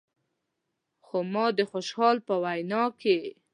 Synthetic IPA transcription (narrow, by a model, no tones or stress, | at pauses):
xomɑd̪əxoʃhɑlpəwajnɑke